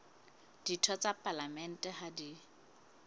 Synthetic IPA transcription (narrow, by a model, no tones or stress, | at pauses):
d̥itʰɔt͡sapʼalamɛn̩tʼɛhadi